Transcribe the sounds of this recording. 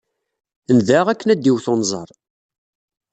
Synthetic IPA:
nðæʁækːənæd̪ːiwθonzˤə̰ɾˤ

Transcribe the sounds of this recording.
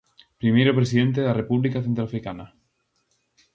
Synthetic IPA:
pɾimejɾopɾes̬iðent̪̬eðarepuβlikaθẽnt̪ɾoafɾikana

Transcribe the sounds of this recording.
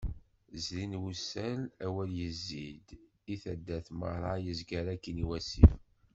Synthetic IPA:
zlinwusælæwæljəzːid̪ | iθæd̪ːæθmə̰ɾˤɑjəzɡæɾækːəniwæsḭf

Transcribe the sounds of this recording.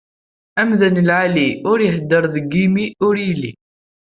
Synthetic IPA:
æmðənəlʕaliʊɾjəɦd̪ːəɾˤðəɡimiʊɾilːḭ

